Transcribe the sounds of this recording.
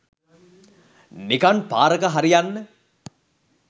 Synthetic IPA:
nikanpaːɾəkəɦaɾijanːə

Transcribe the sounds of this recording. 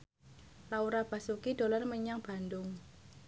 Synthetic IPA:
lauɾab̥a̤sukid̥o̤lɔrməɲaŋb̥a̤nd̪ʊŋ

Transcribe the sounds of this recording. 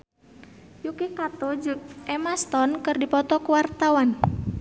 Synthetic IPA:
jukikat̪ɔd͡ʒuk̚ʔɛmast̪ɔnkɨrdipɔt̪ɔkuwart̪awan

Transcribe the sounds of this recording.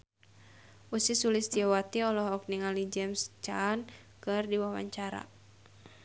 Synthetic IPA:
ʔusisulɪsdiawat̪iɔlɔɦɔk̚niŋalid͡ʒɛmst͡ʃan | kɨrdiwawa̰ɲt͡ʃaɾa̰

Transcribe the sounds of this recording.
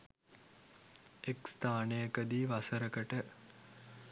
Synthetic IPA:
ekst̪aːnejəkəd̪iːʋasəɾəkəʈə

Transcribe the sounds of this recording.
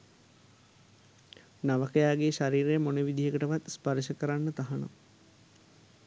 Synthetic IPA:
naʋəkəjaːɡeːʃaɾiːɾejəmoneʋid̪ʱijəkəʈəʋat̪spaɾiʃəkəɾanːət̪aɦano̰

